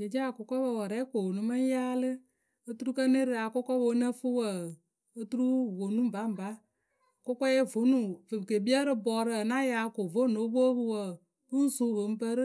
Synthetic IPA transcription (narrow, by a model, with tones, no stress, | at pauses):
d͡ʒe˨d͡ʒa˦˨kʊ˨kɔ˦bə˧˨wə˨ɾɛ˦ko˨o˨nu˨˦mə˦n˦jaː˦lɨ˦ | ə˦tu˦ɾu˦kə˦ne˦ɾɨ˨a˨kʊ˦kɔ˦bo˨˦nə˦fu˦wə˨ | ə˦tu˦ɾu˦vo˨nu˦m˨ba˨˦m̩˨ba˦ | kʊ˦kɔ˦jɛ˦vo˨˦nu˨fɨ˨ke˨bi˦ə˦ɾɨ˦bɔ˨ɾɨ˦ə˨na˦ja˨˦ko˨vo˦no˨˦bo˦bɨ˧wə˨ | ɨ˦n̩˦su˦vo˨m̩˦pə˦ɾ